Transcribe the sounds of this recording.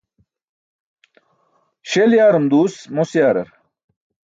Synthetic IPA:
ɕeljaːɾumd̪uːsmosjaːɾɐ̰ɾ

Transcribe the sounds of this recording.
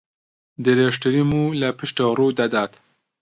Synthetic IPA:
d̪ɨɾeːʃtɨɾimuːlɐpʰɨʃt̪oruːd̪ad̪aːt̪

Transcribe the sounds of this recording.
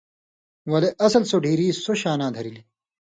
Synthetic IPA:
wɐleʔɐsɐlsoɖʱiːɾiːsoɕaːnãːd̪ʱɐɾili

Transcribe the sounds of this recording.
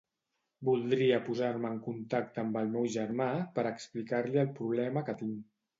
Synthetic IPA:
bulˠd̪ɾiəpuzaɾməːŋkunt̪ak̚t̪əːmbəlˠmɛwʒəɾmapəɾəksplikaɾliəlˠpɾuβ̞lɛməkət̪iŋ

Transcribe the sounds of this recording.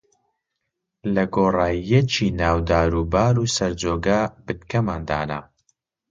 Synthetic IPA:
lɐɡoːraːjɛt͡ʃʰiːnaːwd̪aːɾuːbaːɾusɐɾd͡zoːɡaːbɨt̪kʰɐmaːnd̪a̰ːna̰

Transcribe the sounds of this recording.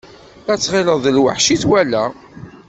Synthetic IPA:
æt͡sːʁɪləðˤəlwə̰ħʃiθwælæ

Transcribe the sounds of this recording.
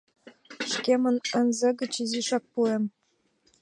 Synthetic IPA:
ʃkemə̆nə̆nzɘ̆ɡɘ̆t͡ɕiziʃɑk̚puem

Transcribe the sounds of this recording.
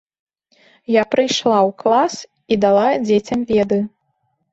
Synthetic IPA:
japɾɨjʂlˠawklˠas | id̪alˠad͡zʲet͡sʲɐmvʲɛd̪ɨ

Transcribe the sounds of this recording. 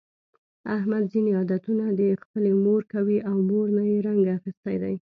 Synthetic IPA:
ahmad̪zineɑd̪at̪unad̪əxpəlemoɾkawiʔawmoɾnajeɾaŋɡaːxist̪ajd̪a̰j

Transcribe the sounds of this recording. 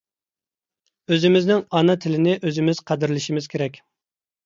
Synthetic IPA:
øzɪmɪznɪŋɑnɑt̪ʰɪlɪnɪʔøzɪmɪz̥qʰæd̪ɪɾlɪʃimɪzkʲʰeɾɛkʲ

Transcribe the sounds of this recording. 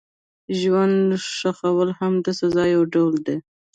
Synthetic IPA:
ʒwand̪ʂaxawəlhamd̪əsazɑjawɖawld̪e

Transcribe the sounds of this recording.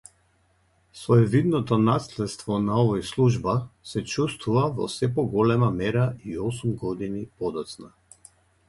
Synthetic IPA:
svɔɛvid̪nɔt̪ɔnaslɛt̪st̪vɔnaɔvɔjslˠuʒbasɛt͡ʃust̪vuvavɔ̰sɛpɔɡɔlɛmamɛɾaiɔsumɡɔd̪inipɔd̪ɔt̪sna

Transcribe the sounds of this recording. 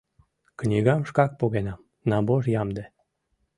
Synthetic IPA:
knʲiɣɑmʃkɑk̚poɣenɑm | nɑboʒjɑmd̪e

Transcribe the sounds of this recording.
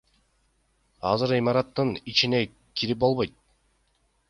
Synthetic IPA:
ɑzɯɾimɑɾɑt̪ːɯnit͡ʃine̞ | kʰiɾip̚bo̞lˠβo̞jt̪̚

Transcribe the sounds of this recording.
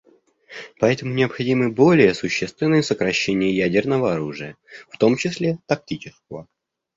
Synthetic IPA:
pɐɛt̪əmʊnʲɪəpxɐdʲimɨbo̞lʲɪjəsʊɕːest̪vʲɪnːəjəsəkɾɐɕːenʲɪjəjædʲɪrnəvəɐɾuʐɨjə | ft̪o̞mt͡ɕɪslʲet̪ɐk̚tʲit͡ɕɪskəvə

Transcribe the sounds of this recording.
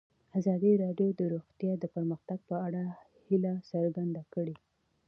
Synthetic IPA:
azɑd̪iɾɑɖjod̪əɾoɣt̪jɑd̪əpəɾməxt̪aɡ̚pəaɽa | hilasəɾɡand̪akəɽe

